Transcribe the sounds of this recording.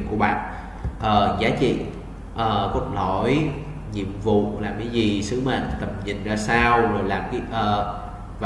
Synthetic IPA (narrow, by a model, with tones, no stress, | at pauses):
ku˧˩əɓa̰ː˧˨n | ʔəː˨˩zaː˨˦t͡ɕḭ˧˨ | ʔəː˨˩ku˦˥ət̚ɗo˧˩j | ɲḭ˧˨əmvṵ˧˨laː˨˩mkaː˨˦jzi˨˩sɨ˨˦ma̰˧˨n˨t̪ə˨˩m̚ɲḭ̈˨˩˨ŋ̟zaː˧saː˧wzo˨˩jlaː˨˩mkaː˨˦jʔəː˨˩ | v